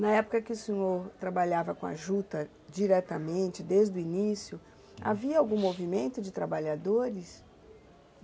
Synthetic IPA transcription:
nɐɛpʊ̥kɐkɪʊsẽɲoɾt̪ɾabaʎavɐkõa̰ʒut̪ɐ | d͡ʒiɾɛt̪ɐmẽnt͡ʃɪd̪ezd̪ʊinisjʊ | a̰viɐawɡũmovimẽnt̪ʊd͡ʒɪt̪ɾabaʎad̪oɾɪs

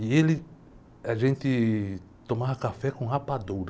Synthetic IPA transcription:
ielɪ | aʒẽnt̪ɪ | t̪õmavɐkafɛkõhapad̪oɾɐ

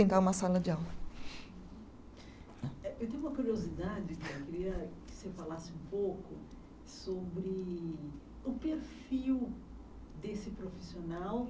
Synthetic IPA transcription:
ẽnt̪aũmɐsalɐd͡ʒɪawmɐ | ɛewt̪ẽj̃ũmɐkuɾiozid̪ad͡ʒɪkɪewkeɾiɐkɪ̥sefalasɪũpowkʊ̰ | sobɾɪ | ʊpeɾfiw | d̪esɪpɾofi̥sionaw

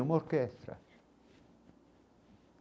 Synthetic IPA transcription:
umorkest̪ɾa̰

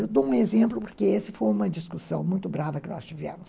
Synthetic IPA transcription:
ewd̪oũezẽmplʊpoɾkeesɪfojũmɐd͡ʒiskusɐ̰̃w̃mũj̃t̪ʊbɾavɐkɪnɔ̰st͡ʃivɛ̰mʊs

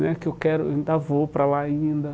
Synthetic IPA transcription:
nɛkɪewkɛɾʊeĩnd̪avopɾalaaĩnd̪ɐ

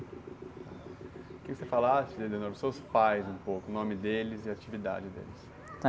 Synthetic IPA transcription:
akẽksefalasɪd̪ed̪enoɾʊsewspajzũpokʊnõmɪd̪elɪzɪat͡ʃivid̪a̰d͡ʒɪd̪ḛlɪs

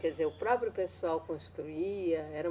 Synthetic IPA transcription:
kɛd̪izeɾʊpɾɔpɾjʊpesuawkõst̪ɾuiɐɛɾɐ

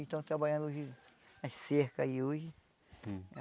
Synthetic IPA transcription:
ʃt̪ɐ̃w̃t̪ɾabaʎɐ̃nd̪ʊoʒiaseɾkɐioʒɪ

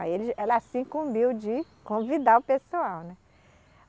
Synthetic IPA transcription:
aelɪɛlɐsĩkũbiwd͡ʒɪ | kõvid̪aʊpesuawnɛ

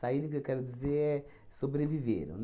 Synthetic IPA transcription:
said̪ukewkɛɾud̪izeɾɛ | sobɾevivḛɾṵn

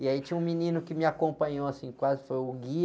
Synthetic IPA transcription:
ɪait͡ʃĩũminĩnʊkɪmɪakõpɐ̃ɲoasĩkwazɪfojʊɡi

